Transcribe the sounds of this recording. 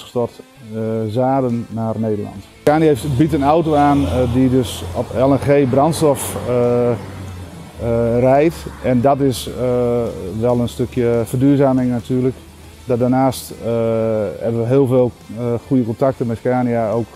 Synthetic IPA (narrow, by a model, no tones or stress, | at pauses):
əstɔrt | zaːdənːarneːdəlɑ̰nt | kaːnjaeftbitənawtowaːndidøsɔpɛlˠɛxeːbrɑntstɔf | rɛjtʔɛndɔtɪs | ʋɛlˠənstøkjəfərdyːəzaːmɪŋnatʰyːrlək | dɔdaːnaːst | hɛbənʋəɦɪːəlˠveːlˠ | xujəkɔntak̚təmɛskaːnijaowk